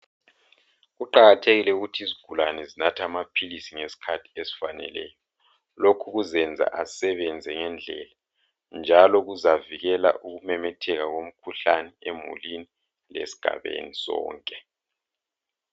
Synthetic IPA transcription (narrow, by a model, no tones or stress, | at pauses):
ɣuǃaɣatʰeɣilɛuɣutʰiiziɡ̥ʱulanɛzinatʰamapʰilisiŋesi̥kʰatʰi̥esi̥fanɛ̰lɛːjɔ | lokʰuɣuzɛnd͡zʱa̰ʔasɛβɛnd͡zʱɛŋɛnd͡ɮʱɛ̰la | nd͡ʒʱalɔɣuzaviɣɛla̰ʔuɣumɛmɛtʰɛɣaɣom̩kʰuɬanɛemṵlini | lḛsi̥ɡ̥ʱa̰βḛnisɔ̰ːŋkʼɛ